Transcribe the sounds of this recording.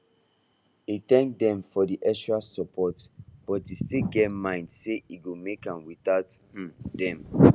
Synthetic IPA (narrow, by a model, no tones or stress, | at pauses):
itɛ̃ŋk̚dɛ̃mfɔdiʔɛʃɹasɔpʰɔtb̥ɔtistilɡɛtmãɪ̃ndseʔiɡomekãnwitath̩dɛ̃m